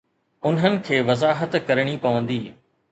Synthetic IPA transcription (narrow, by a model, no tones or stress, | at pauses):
ʊnɦənɪ̆kʰeːʋɐzaːɦət̪kɐɾəɽ̃ipɐʋə̃nd̪iː